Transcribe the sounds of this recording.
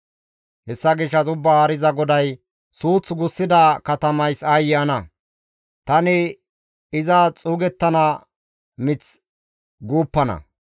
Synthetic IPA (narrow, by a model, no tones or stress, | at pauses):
hɛsːɐɡɪʃːɐzʊbːɐaːɾɪzɐɡɔd̪ɐj | suːt͡sːɡʊsːɪd̪ɐkɐt̪ɐmɐjsɐjɐnɐ | t̪ɐnɪ | ɪzɐt͡sʼuːɡɛt̪ːɐnɐ | mɪt͡s | ɡuːpːɐnɐ̰